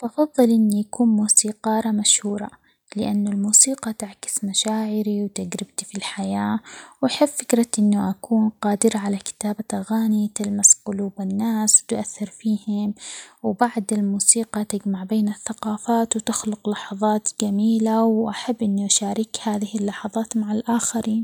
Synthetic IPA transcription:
bʔɑfɑðˤːɨlʔɪnːijakuːnmuːsiːqɑːɾˤɑmaʃhuːɾˤɑ | lɪʔanːʊlmuːsiːqɑt̪aʕkɪ̥smaʃaːʕɪɾiwt̪aɡɾɪb̚t̪ifilħajaːwʔaħɪbfɪkɾɑt̪ʔɪnːʊʔakuːnqɑːd̪ɪɾaʕalakɪ̥t̪aːbat̪ʔaɣaːnit̪almasqʊluːbɪnːaːswt̪ʊʔaθːɪɾfiːhɪmwbaʕd̪ɪlmuːsiːqɑt̪ɪd͡ʒmaʕbeːnɪθːaqɑːfaːt̪wt̪ɪxlʊqlɑħɑðˤɑːt̪d͡ʒamiːlawʔaħabːʔɪnːuʔaʃaːɾɪkhaːðɪhɪlːɑħɑðˤɑːt̪maʕalʔaːxaɾiːn

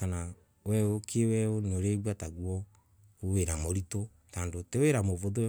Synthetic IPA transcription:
kana | wɛokʰewɛonoɾeβwataɡwɔ | oweɾamoɾito | taːndoteweɾamovoðo

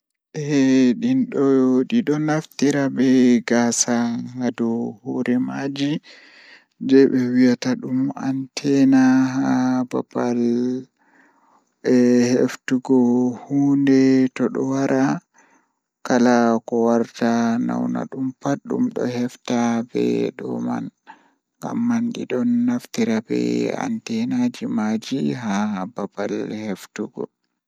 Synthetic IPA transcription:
ʔɛɗinɗɔɗiɗɔnaftiɾabɛɡaːsaŋɡadɔhoɾʔɛmad͡ʒi | d͡ʒɛɓɛwijataɗumantʰɛnaɦaba̰bal | ɛhḛftuɡɔhuːndɛtɔɗɔwaɾʔa | kalakɔwaɾtana̰wna̰ɗumpaɗṵmɗɔ̰hɛftabɛ̰ɗɔ̰ma̰n | ŋɡa̰mːanɗiɗɔnːaftiɾabɛ̰a̰ntɛnad͡ʒimad͡ʒiɦababalheftuɡɔ̰

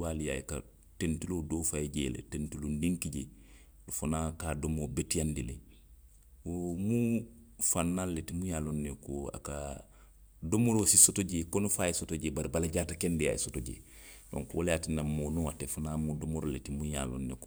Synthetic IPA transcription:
waːlija̰jika̰ | tentiloːdofajeɟḛːlḛtentilonniŋkiɟe | lufanakaːdomobetijandile | womu | fanːalːetimuɲaːlonːekoa̰ka | domoɾosisotoɟeːkonufaːjesotoɟeːbaɾibalaɟaːtakendija̰jḭsotoɟḛː | do̰ŋkwoljaːtinamoːnoatefanaːmudomoɾoletimuja̰ːlo̰nːḛko

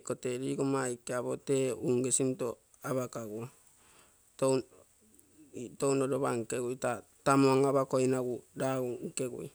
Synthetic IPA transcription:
koteɾiɡomajkeaβoteuŋɡesinto | aβakaɡua | to | townodoβaŋkeɡujta | tamoŋaβakojnaɡudauŋkeɡṵj

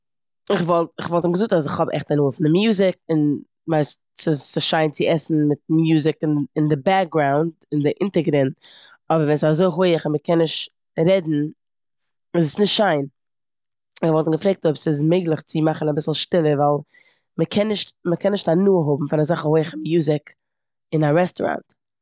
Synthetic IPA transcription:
ɪχvɔlˠtɪχvɔlˠtɪmɡəzʊk̚tas̬ɪχhɔbɛ̰χtanuːəfɪndɪmjuːzɪk̚ɪn | vaɪst | sɪsɪʃaɪnt͡sɪɛsn̩mɪt̚mjuːzɪkɪnɪndɪbɛk̚ɡɾaʊndɪndɪʔɪntəɡɾɛnt | ɔbəɾvɛnsazoɪɦoɪəχɪnməkʰɛnːɪʃt | ɾɛdn̩ | ɪzəsnɪʃtʃaɪn | ɪvɔlˠtn̩ɡəfɾek̚tɔbsɪz̬meɪɡlˠɪχt͡sɪmaχnabɪsl̩ˠʃtɪlˠəɾvaɪlˠ | məkʰɛnːɪʃtməkʰɛnːɪʃtanuːəɦʊbm̩fɪnazaχəhoɪəχmjuːzɪk | ɪnaɾɛstɔɾa̰nt

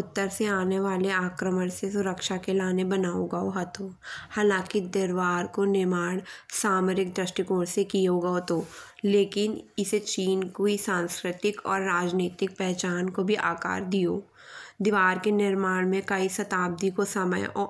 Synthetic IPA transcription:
ʊt̪ːəɾseaːneʋaːleaːkɾəməɽ̃sesʊɾəkʃakelaːnebɐnaːoɡɐoɦɐt̪ʰoːhaːlãːkid̪ɪɾʋaːɾkonɪmaːɽ̃saːməɾɪk̚d̪ɾɪʃʈikoːɽsekijoɡɐot̪oːleːkɪnɪset͡ʃiːnkoisãːnskɾɪt̪ɪkɔ̰ːɾːaːd͡ʒniːt̪ɪk̚pɛɦt͡ʃaːnkobʱiʔa̰ːka̰ːɾd̪ijoː | d̪ɪʋaːɾkenɪɾmaːɽ̃mẽkɐisɐt̪aːb̚d̪ikosɐmə̰jɔ

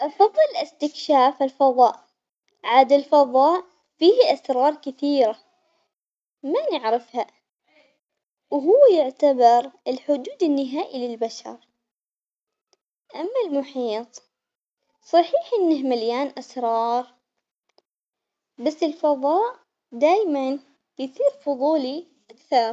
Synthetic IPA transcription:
ʔɑfɑðˤːɨlʔɪst̪ɪkʃaːfalfɑðˤɑ̰ːʔ | ʕad̪alfɑðˤɑːʔ | fiːhʔasɾˤɑːɾˤkɪθiːɾa | manaʕɾɪfha | wɦʊːjɪʕt̪abɪɾɪlħʊd̪uːd̪ɪnːɪɦaːʔilɪlbaʃɑ̰ɾˤ | ʔamːalmʊħiːt̪ˤ | sˤɑħiːħʔɪnːɪhmaljaːnʔasɾˤɑːɾˤ | basːɪlfɑðˤɑːʔ | d̪aːjman | jsiːɾfʊðˤuːliʔakθɑɾˤ

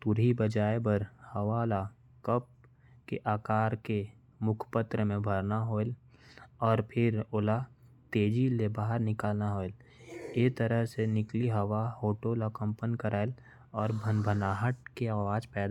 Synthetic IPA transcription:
t̪ʊɾɦibəd͡ʒaːjbəɾhɐʋala | kəp̚ | keʔaːkaːɾke | mʊkʰpət̪ɾəmẽbʱəɾnaɦoːel | ɔːɾpʰɪɾoːla | t̪eːd͡ʒilebaːɦəɾnɪkaːlnaɦoːel | et̪əɾəɦsenɪkliɦɐʋahoːʈoləkə̃mpənkəɾaːel | ɔːɾbʱənbʱənaːɦəʈ̚keaːʋaːd͡ʒpɛːd̪a

